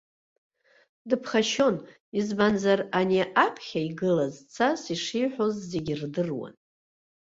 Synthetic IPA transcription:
dɨpʰχaʃo̞n | izbanzaranʲeʔapʰχʲaiɡɨlazt͡sʰasiʂijħʷᶣo̞zːe̞ɡʲirdɨrwa̰n

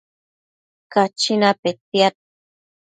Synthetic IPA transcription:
kat͡ʃinapet̪jat̪̚

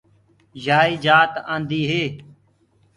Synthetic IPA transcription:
d͡ʒaːiːd͡ʒaːt̪ã̰ːnd̪iːɦeː

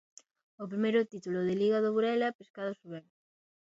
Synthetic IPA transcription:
op̬ɾimejɾʊt̪it̪ulʊðɪliɣɐðoβuɾɛlɐpeskaðʊsuβɛm

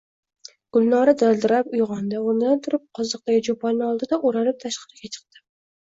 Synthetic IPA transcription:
ɡ̥ʊlːɒɾad̪ald̪ɪɾapʊjʁɑnd̪aʊnɪd̪ant̪ʰʊɾɪp̚qʰɒzɨq̚t̪aɡʲɪd͡ʒopʰɑnːɒlˠd̪ɪd̪aʔʊɾanlɪp̚t̪ʰaʃqɨɾɪɡʲat͡ʃʰɨ̥q̚t̪ɪ

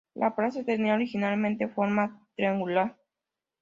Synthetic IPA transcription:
lʔapɾasat̪eniaoɾixinalmẽnt̪efoɾmat̪ɾiaŋɡulaɾ

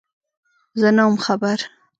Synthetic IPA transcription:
zənamxabaɾ

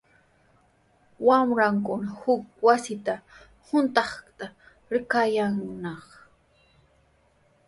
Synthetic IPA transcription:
wamɾaŋkʊnahʊk̚wasɪt̪a | hʊnt̪ɑχt̪a | ɾɪkajaŋnɑχ

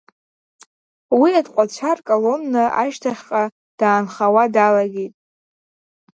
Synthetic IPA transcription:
wiadqʷʼat͡ɕʷʰarkʼolo̞nːɨa̰ʃtʰaχʲqʼa | d̥aːnχawadalaɡʲejtʼ

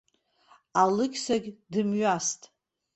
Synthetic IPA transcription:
alɨkʲʰʼsaɡʲdɨmɥastʼ

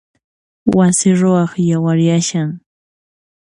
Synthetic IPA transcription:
wasɪɾoɑχjawaɾjaʃaŋ

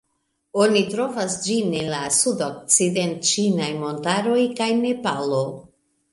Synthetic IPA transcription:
o̞nitɾo̞vasd͡ʒinelasudok̚t͡sident͡ʃinajmo̞ntaɾo̞jkajne̞palo

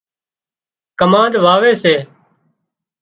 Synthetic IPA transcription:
kəmãːd̪ʋaːʋeːseː

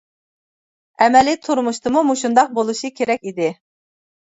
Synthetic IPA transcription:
ɛmɛlɪt̪ʰuɾmuʃt̪ʰɨmumuʃund̪ɑq̚bolˠuʃɨkʲʰeɾɛk̚ʲid̪ɪ

